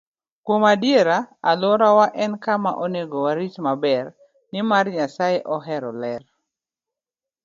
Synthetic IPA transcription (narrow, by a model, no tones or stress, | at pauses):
kwomadjeɾaalɔɾawaʔɛnkama̰ʔoneɡowaɾit͡ʃmabɛr | nɪmarɲasajeʔɔɦɛɾɔlɛr